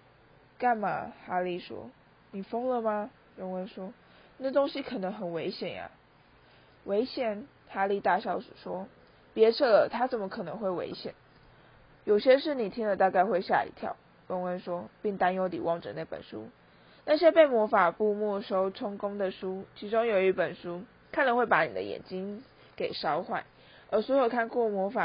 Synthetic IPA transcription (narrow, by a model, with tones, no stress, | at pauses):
ka˥˩nma̰˨˩xa˥li˥˩ʂwɔ̰˥ | ni˨˩fɤ˥ŋlə˨ma˨ | jo˧˥ŋwə˧˥nʂwɔ˥ | na˥˩t̪o˥ŋɕi˥kʰɤ˨˩nɤ˧˥ŋxə˨˩nwe˧˥ɪɕjɛ˨˩nja̰˩ | we˧˥ɪɕjɛ˨˩n | xa˥li˥˧t̪a˥˧˩ɕjɑ˥˩ʊʂu˨˩ʂwɔ˥ | pjɛ˧˥ʈ͡ʂʰɤ˥˩lə˩t̪ʰa˥t͡sə˨˩nmə˧˦kʰɤ˨˩nɤ˧˥ŋxwe˥˩ɪwḛ˧˥ɪɕjɛ̰˨˩˦n | jo˨˩ʊɕjɛ˥ʂɻ̩˥˩ni˨˩t̪ʰi˥ŋlə˨t̪a˥˧ka˥˧ɪxwe˥˧ɪɕja̰˥˩ḭ˧˥t̪ʰjɑ̰˥˩ʊ | lə˥ŋə˥nʂwɔ˥pi˥˩ŋt̪a˥njo˥ʊt̪ḭ˨˩wɑ˥˩ŋʈ͡ʂə̰˨˩na˥˩pə̰˨˩nʂṵ˥ | na˥˧˩ɕjɛ˥pe˥˩ɪmwɔ˧˥fa˨˩pu˥˧mwɔ˥˩ʂo˥ʊʈ͡ʂʰʊ˥ŋkʊ˥ŋd̪ə˨ʂu˥t͡ɕʰi˧˥ʈ͡ʂʊ˥ŋjo˨˩ʊi˧˥pə˨˩nʂu˥ | kʰa˥˩nd̪ə˨˦xwe˥˩ɪpa˧˥nḭ˨˩d̪ə̰˦jɛ̰˨˩nt͡ɕi˥ŋ | ke˨˩ɪʂɑ˥ʊxwa˥˩ɪn | ə˞˧˥swjo˨˩ʊkʰa˥˧nkwɔ˥˩mwɔ˧˥fa˨˩